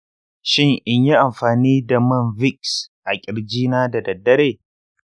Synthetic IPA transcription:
ʃɪ˦ŋʔɪ˦ɲji˦ʔa˨mɸaː˨niː˦da˨mɐ˦nvɪ˦ksʔa˨kʲʼɪ˨ɽd͡ʒiː˦naː˦da˨dɐ˨dːɐ˦ɾeː˦˨

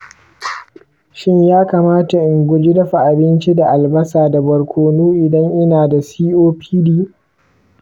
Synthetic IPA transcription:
ʃɪ˦ɲjaː˦kaː˨maː˦ta˨ʔɪ˨ŋɡʷʊ˦d͡ʒɪ˦dɐ˦ɸa˨ʔa˨bɪ˦nt͡ʃi˦da˨ʔa˨lbɐ˦saː˨da˨bɐ˨ɽkʷʰoː˨nuː˦ʔɪ˨dɐ˦ŋʔɪ˦naː˨da˨siː˦ʔoː˦pʰiː˦diː˦

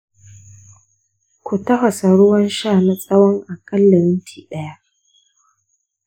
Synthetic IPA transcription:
kʷu˨tɐ˦ɦɐ˨sa˨ɽʊ˦wɐ˦nʃaː˦˨na˦t͡sʼɐ˦wɔ˦ŋʔa˨kɐ˦lːa˨ɾɪ˦ntʰiː˨ɗɐ˦ja˦

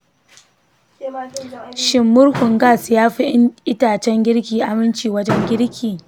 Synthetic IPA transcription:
ʃɪ˨mːʊ˦ɾhʊ˨ŋɡaː˦˨sjaː˦ɸi˦ʔɪ˦taː˨t͡ʃɛ˦ŋɡʲɪ˦ɽkʲiː˨ʔa˨mɪ˦nt͡ʃiː˨wɐ˦d͡ʒɛ˦ŋɡʲɪ˦ɾkʲʰiː˨

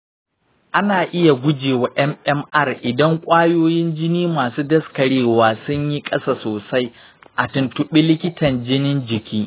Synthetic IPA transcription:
ʔa˦naː˨ʔɪ˦ja˨ɡʷʊ˦d͡ʒeː˨wa˨ʔɛ˦mʔɛ˦mʔɐ˦˨rʔɪ˨dɐ˦ŋkʷʼaː˦joː˦jɪ˦nd͡ʒɪ˦niː˦maː˨suː˦dɐ˦skɐ˨ɽeː˦waː˨sʊ˦ɲji˦kʼɐ˦saː˦˨soː˨sa˦j | ʔa˨tʊ˨ntʊ˨ɓi˦lɪ˦kʲɪ˦tɐ˨nd͡ʒɪ˦nɪ˦nd͡ʒɪ˨kʲʰiː˦

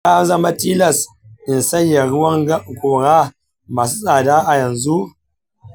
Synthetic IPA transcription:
jaː˦zɐ˦ma˦tiː˦lɐ˨s | ʔɪ˨nsɐ˦jja˨ɽʊ˦wɐ˦ŋ˦kʷoː˨ɽaː˦ | maː˨s̬u˦sʼaː˨daː˦ʔa˨jɐ˨nzu˦ʔ

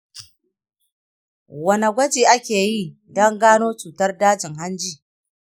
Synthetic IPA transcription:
wɐ˨nɐ˨ɡʷɐ˦d͡ʒiː˨ʔa˦kʲeː˨ji˦˨ | dɔ˦ŋɡaː˦noː˦t͡ʃuː˨tɐ˦rdaː˦d͡ʒɪ˨ŋɦa˦nd͡ʒiː˦

